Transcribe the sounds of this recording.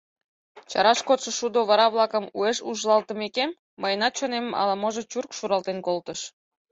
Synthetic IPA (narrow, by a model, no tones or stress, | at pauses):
t͡ɕɑɾɑʃkot̪ʃə̆ʃud̪oβɑɾɑβlɑkəmueʃuʒlɑlt̪əmekemːəjənɑt̪t͡ɕonemmɑ̰lɑmoʒet͡ɕurkʃuɾɑlt̪enkolt̪əʃ